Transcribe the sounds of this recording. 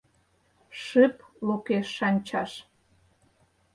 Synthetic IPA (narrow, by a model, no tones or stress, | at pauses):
ʃɨplukeʃːɑnʲt͡ɕɑʃ